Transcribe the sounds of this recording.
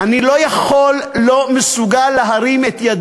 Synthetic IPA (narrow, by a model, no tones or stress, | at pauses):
anilo̞jaχolːo̞mesuɡalːeɦaʁimet̪jad̪